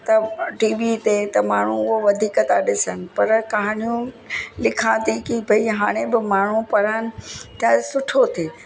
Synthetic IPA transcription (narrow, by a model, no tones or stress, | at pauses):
t̪ɐʈiːʋit̪et̪ɐmaːɳ̤uʊɦoʋɐd̪ʱiːkət̪ʰaɗɪsənɪ̆pɐɾkɐɦɽ̃ijũ | lɪkʰãt̪ʰikibʱɐiɦaːɽ̃ebɪmaːɳ̤upɐɾaːnɪ̆t̪ʰasʊʈʰot̪ʰeː